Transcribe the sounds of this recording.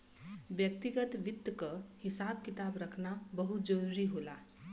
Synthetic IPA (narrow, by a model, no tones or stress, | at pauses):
bjək̚t̪iɡət̪ʋɪt̪ːkəhɪsaːb̚kɪt̪aːbɾəkʰnabəɦut̪̚d͡ʒəɾuɾiɦoːla